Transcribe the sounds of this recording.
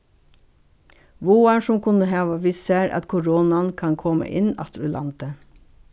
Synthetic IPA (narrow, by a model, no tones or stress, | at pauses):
ʋuːɑɳʃʊmkʰʉnəhɑːʋɑʋiseːɾʔɑ̰t̪kʰʊɾoːnɑnkʰɑnkʰɔmə̰ʔɪnɑ̰t̪ɾʉlʔɑ̰nt̪ə